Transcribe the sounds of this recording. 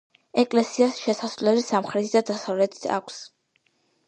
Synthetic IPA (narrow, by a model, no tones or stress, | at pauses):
ɛkʼlɛsiasʃɛsasvlɛlisamχɾɛt̪ʰid̪ad̪asavlɛt̪ʰi̥t̪ʰa̰kʷʰs